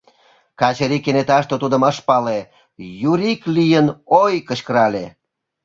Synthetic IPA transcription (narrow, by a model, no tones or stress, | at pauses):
kɑt͡ɕəɾikːenet̪ɑʃt̪ot̪ud̪ə̆mɑʃpɑle | juɾiklijənojkəɕkəɾɑlʲe